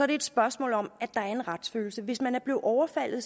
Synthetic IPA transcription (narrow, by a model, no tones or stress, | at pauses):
ɒ̽ɐɾ̥e̝ːd̥sb̥ɶɐsmɔ̰̽ːlɒ̽mæd̥ɑ̈æɐe̝nʁɑ̈d̥sfø̰ːl̩səʋe̝smænæɐb̥le̝ːð̩ˠɒʊɐfæl̰ð̩ˠ